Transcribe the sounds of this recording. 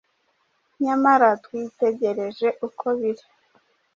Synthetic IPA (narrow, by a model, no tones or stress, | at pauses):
ɲamaɾatwiːte̞ɟe̞ɾe̞ʒe̞ʔukʰoβiɾi̥